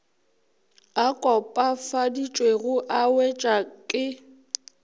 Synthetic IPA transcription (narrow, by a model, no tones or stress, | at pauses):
akʼɔpʼafadit͡ʃʼweɣʊʔawɛt͡ʃʼakʼɪ